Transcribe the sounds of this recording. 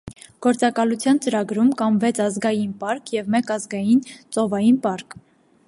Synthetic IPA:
ɡ̥ɔɾt͡sɑkɑlut͡sʰjɑnt͡səɾɑɡɾumkɑmvɛt͡sʰɑzɡɑjinpɑɾkʰjɛvmɛkɑzɡɑjint͡sɔvɑjinpɑɾkʰ

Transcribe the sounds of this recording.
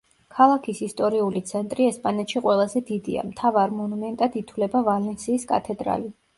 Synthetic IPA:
kʰalˠakʰisist̪ʼɔɾiulit̪sʰɛnt̪ʼɾiɛspʼanɛt̪ʃiqʼwɛlˠazɛd̪id̪ḭa̰mt̪ʰavaɾmɔnumɛnt̪ʼad̪it̪ʰwlɛbavalɛnsiːskʼat̪ʰɛd̪ɾa̰li

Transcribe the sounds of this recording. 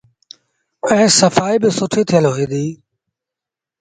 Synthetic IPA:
ə̃ɪ̃ːsəfaːiːbɪsʊʈʰiːt̪ʰɪjəlɦoɣĩːd̪iː

